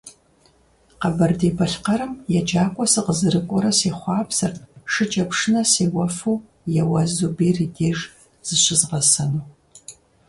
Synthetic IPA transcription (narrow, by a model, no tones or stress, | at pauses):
qɐbɐrdeːbʰɐɬqɐɾɨmjɛd͡ʒaːkʷʼɔsɨqəzɨɾɨkʷʼɔɾɐseːχʷɑːpsɐrtʂɨt͡ʃʼɐpʂɨnɐseːwɐfuː | jɛwɐzubeːrɨdeːʒ | z̥ɨɕɪzʁɐsɐnuː